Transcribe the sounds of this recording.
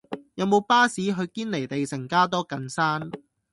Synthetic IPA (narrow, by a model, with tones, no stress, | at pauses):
jɐ˨˧wmo˨˧wpaː˥siː˨˥ɦɵ˨˧ɥkiː˥nle˨˩jt̪e˨jsɐ˨˩ŋkaː˥t̪ɔː˥kɐ˧nsaː˥n